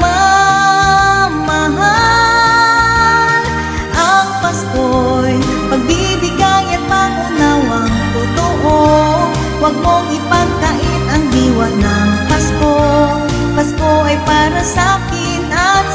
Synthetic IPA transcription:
ma | mɐɦa | l | ʔɐŋpɐskoj | pɐɡ̚bi | bɪɡajɐt̪̚maŋʔʊnawɐŋt̪ut̪oʔo | wɐɡ̚mo̞ŋɪpɐnt̪ɐʔɪnʔɐŋd̪iːwɐnɐŋpɐsko | pɐsko̞ʔɐjpaːɾɐsakɪnɐt̪̚

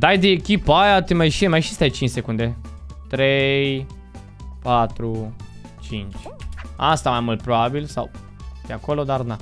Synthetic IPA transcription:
d̪ajd̪eekʲipajat̪emajʃiemajʃi̥st̪ajt͡ʃint͡ʃʲse̞kund̪et̪ɾej | pat̪ɾu | t͡ʃint͡ʃʲast̪amajmult̪̚pɾobabilsa̰w | d̪̥eako̞lo̞d̪arna

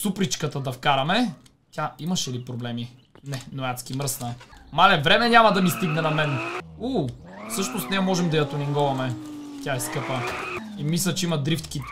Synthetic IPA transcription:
supɾit͡ʃkət̪əd̪ɐfkaɾɐmɛ | t̪ʲaimɐʃɛlipɾoblɛmi | nɛnoat̪skimɾəsnɐmalɛvɾɛmɛɲʲamɐd̪ɐmist̪iɡnɛnɐmɛnufsɤʃnost̪nɛmɔʒɛmd̪ɐjɐt̪oniŋɡɔvɐmɛt̪ʲjaɛskɤpəimislʲɐt͡ʃɛimɐd̪ɾift̪ki

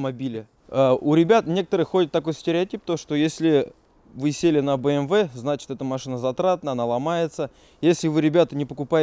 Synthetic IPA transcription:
mɐbʲilʲɪ | aʊɾʲɪbʲat̪nʲe̞kə̥t̪əɾɨxxo̞dʲɪt̪ːɐko̞jsʲtʲɪɾʲɪɐtʲip̚t̪oʂt̪ojesʲlʲɪ | vɨsʲelʲɪnəbəɛmvɛznat͡ɕɪ̥t̪ɛt̪əmɐʂɨnəzɐt̪ɾat̪̚nəɐnalˠɐmajɪt̪sə | jesʲlʲɪvɨɾʲɪbʲat̪ənʲɪpəkʊpaɪ

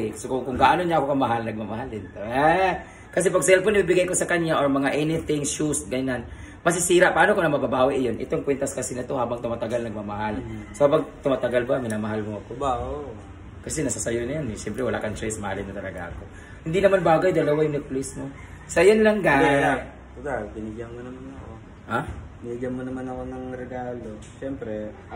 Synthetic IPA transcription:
ɛkɐsɛkʊŋkʊŋɡaʔanonɲɐʔɐkokɐmɐɦalnɐɡ̚mamɐɦalɪnt̪a | kɐs̬ɛpɐɡ̚sɛlfoɪbibɪɡajko̞sɐkɐɲaʔoɹmɐŋaʔɛnɪθɪŋʃust̪̚ɡɐɲan | mɐs̬ɪsiːɾaʔpaʔaːnokonɐmɐbɐbaːwɪʔjonʔɪ̰t̪oŋkwɛnt̪ɐskɐsinɐt̪o̞haːbɐŋt̪ʊmat̪ɐɡalnɐɡ̚mamɐɦalsohaːbɐŋt̪ʊmat̪ɐɡalbɐmɪnamɐɦalmoɐko̞ | kɐsɛnɐsasɐjonɐjanɛʃɛmpɾɛwɐla̰kɐŋt͡ʃo̞jsmɐhalɪnːɐt̪ɐlɐɡa̰ʔɐko̞ | hɪnd̪inɐmanbaːɡɐjd̪ɐlɐwajʊŋnɛplismo | sɐjonlɐŋɡa | ɡapɪnɪɡjɐnmonɐmanɐko | haɪɪnɪɡjɐnmonɐmanɐkonɐŋɾɛɡaːlo | ʃɛmpɾɛ

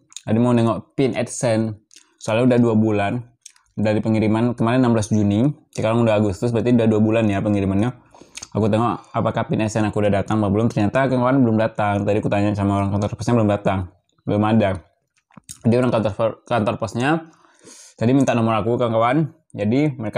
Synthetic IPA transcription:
t̪adimaunɛŋɔʔpɪnʔɛ̰t̪sɛn | soalɲaudahduabulan | daɾipəŋiɾimankəmalɪnnamblasd͡ʒunisəkalaŋudaɦːɡust̪ʊs̬bat̪iudaduabulanjapəŋiɾimanɲaakut̪ɛŋɔʔapakapɪnɛt̪sɛnakuudahdat̪aŋbabəlʊmt̪ərɲat̪akaŋkawanbəlʊmdat̪aŋt̪adiakut̪aɲaʔsamaoɾaŋkant̪ɔrpɔsɲabəlʊmdat̪aŋ | bəlʊmada | adioɾaŋkat̪ɔrkant̪ɔrpɔsɲa | t̪adimint̪aʔnɔmɔɾakukaŋkawan | d͡ʒadiməɾeka

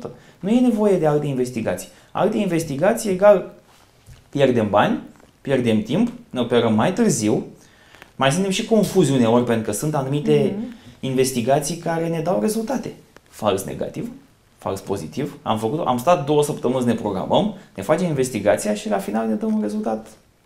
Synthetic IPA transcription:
nuje̞ne̞vo̞je̞d̪ealt̪e̞inve̞st̪iɡa̰t̪si̥j | a̰lt̪e̞inve̞st̪iɡat̪sije̞ɡal | pje̞rd̪e̞mbanʲ | pje̞rd̪e̞mt̪impne̞o̞pe̞ɾəmːajt̪ɨrziw | majts̬ɨnt̪emʃiko̞nfuzʲune̞o̞rʲpe̞nt̪ɾukəsunt̪anumit̪e̞inve̞st̪iɡat̪sijkaɾe̞ne̞d̪awre̞zult̪at̪e̞falsnḛɡa̰t̪iv | fa̰lspo̞zit̪iva̰mfəkut̪o̰ʔa̰mst̪at̪̚d̪o̞wəsəpt̪əmɨnsne̞pɾo̞ɡɾa̰mʔəmne̞fat͡ʃe̞minve̞st̪iɡat̪sijaʃilafinalne̞d̪əmunre̞zult̪at̪

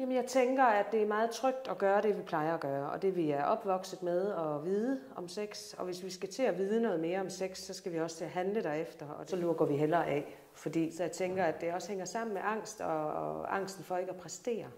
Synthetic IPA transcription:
jɛmənjɑ̈ɪt͡sʰeŋɡ̥ɐæd̥e̝æɐmɑ̈ːð̩ˠt͡sʰʁœɡ̥̚d̥ɒɡ̥ɶːɐɾ̥e̝ʋipʰlɑ̈ɪɐɒɡ̥ɶːɐɒ̽d̥e̝ʋiæɐʔɒ̽b̥ʋɒ̽ɡ̥səð̩ˠmeð̞ˠɒ̽ʋið̞ˠə | ɒ̽mseɡ̥s | ɒ̽ʋe̝sʋisɡ̥æt͡sʰe̝æʋiːð̞ˠənɔ̽ːð̞̩ˠme̝ːɐɒ̽mseɡ̥sːɒ̽sɡ̥æʋiɒ̽sə̥t͡sʰe̝æɦænləd̥æɐefd̥ɐɒ̽sɒ̽luɡ̥ɒʋiɦelɐːʔɛ̰ | fɒ̽d̥ḭːsɒ̽jɑ̈ɪt͡sʰeŋɡ̥ɐæd̥ːe̝ɒ̽sə̥heŋɐsɑ̈m̰n̩meʔɑ̈ŋ̰sd̥ɒ̽ɑ̈ŋ̰sd̥n̩fɒ̽e̝ɡəæpʰʁɛsd̥e̝̰ːɐ

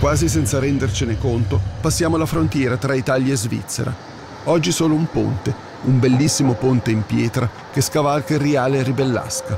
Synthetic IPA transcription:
kwaːzis̬ɛnt̪saɾɛnd̪ert͡ʃinekont̪opasːjaːmolafɾont̪jɛːɾat̪ɾait̪aːljaezvḭt̪sːḛɾa̰ | ɔd͡ʒːisoːloumpo̰nt̪e | umbelːisːimopont̪eimpjɛːt̪ɾa | keskavalkeriaːleribelːa̰ska

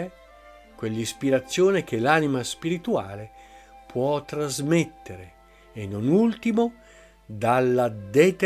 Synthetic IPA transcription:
ɛ | kwelːispiɾat̪sːjoːnek̟elaːnimaspiɾit̪ua̰ːlepʰwɔt̪ːɾazmet̪ːeɾe | enːonult̪imo | d̪alːad̪et̪

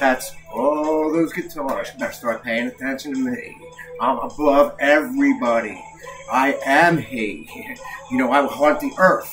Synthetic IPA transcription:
ðætsɔðozkɨ̃tʰɔɹʃðɨstɑɹt̚pʰeɪɪ̃ŋɨtʰɛ̃nʃɨ̃n̩tʰɨmḭ | ãɪ̃mə̰bʌvɛvɹibɑɾḭ | ʔaɪʔɨ̃mhi | jɨnoʊaɪwəlɦʌ̃nðiʔɜ˞θ

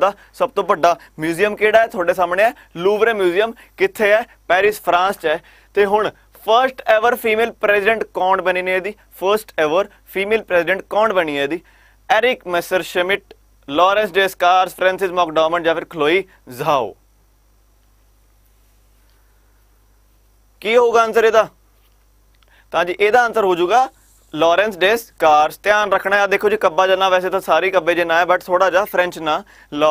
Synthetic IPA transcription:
d̪aː | səb̚t̪õːbəɖaː | mjuːzijəmkeːɽaːɛːt̪ʰoːɖeːsaːmɳeːɛː | luːʋɾẽːmjuːzijəm | kɪt̪ʰːeːɛː | pɛːɾɪspʰɾãːnst͡ʃɛː | t̪eːɦʊɳ | pʰəɾsʈeːʋəɾpʰiːmeːlpɾɛːsɪɖə̃ɳʈkɔːɳɖbəniːneeːd̪iː | pʰəɾsʈɛːʋəɾ | pʰiːmeːlpɾɛːsɪɖəɳʈ̚kɔ̃ːɳɖbəniːɛːd̪iː | ɛːɾɪkmɛsəɾʃəmɪʈ̚ | lɔːɾɛ̃ːnsɖeːskaːɾspʰɾɛ̃ːnsɪzmɔːkɖɔːməɳʈd͡ʒãːpɪɾkʰəloːiː | zaːo̰ː | kiːɦoːɡaːənt̪əɾeːd̪aː | t̪əãːd͡ʒiːʔeːd̪aːənt̪əɾɦoːd͡ʒuːɡaː | lɔːɾɛ̃ːnsɖeːskaːɾst̪ɪjaːnɾəkʰːɳaːɦɛd̪eːkʰoːd͡ʒiːkəbːaːd͡ʒəlnaːʋɛːseːt̪ãːsaːɾiːkəbːeːd͡ʒenãːɛːbəʈt̪ʰoːɽaːd͡ʒaːpʰɾɛ̃nt͡ʃnãː | lɔː

